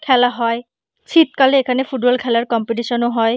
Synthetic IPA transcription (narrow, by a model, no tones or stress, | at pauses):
kʰɛlaɦɔj | sʰit̪kalɛekʰanɛpʰuʈbɔlkʰɛlaɹkɔmpiʈ̬isɔnoɦɔj